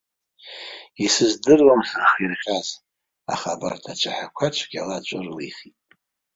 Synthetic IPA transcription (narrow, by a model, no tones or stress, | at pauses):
isɨzdɨrwamħaχirχʲaz | a̰χaba̰rtʰat͡ʃʷʰaħakʷʰat͡ʃʷʰɡʲalat͡ʃʷʼʊrliχitʼ